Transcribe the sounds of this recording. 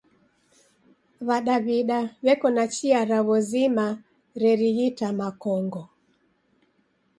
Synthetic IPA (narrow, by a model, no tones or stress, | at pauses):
βaɗaβiɗaβɛkɔnat͡ʃiaɾaβɔzima | ɾɛɾiɣitamakɔŋɡɔ